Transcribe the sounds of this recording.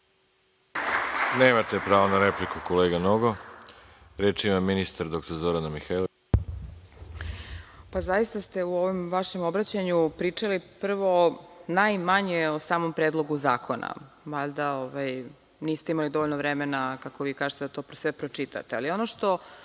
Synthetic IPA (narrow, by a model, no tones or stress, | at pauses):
neːmat̪epɾaːʋonaɾeplikukoleːɡanoɡo | ɾeːt͡ʃimaminist̪aɾd̪o̞k̚t̪oɾzo̞ɾanamixajlo | pazajist̪ast̪e̞uo̞ʋomʋaʃe̞mo̞bɾat͡ɕaɲupɾiːt͡ʂalipr̩ʋo̞najmaɲeosaːmo̞mpɾeːd̪lˠo̞ɡuzaːkʰo̞na̰ | ʋaʎd̪aoʋaj | niːst̪e̞imalid̪o̞ʋoʎnoʋɾemenakako̞ʋiːkaːʒet̪ed̪at̪o̞ːpsʋepɾot͡ʃit̪a̰t̪ealio̞noʃt̪o̞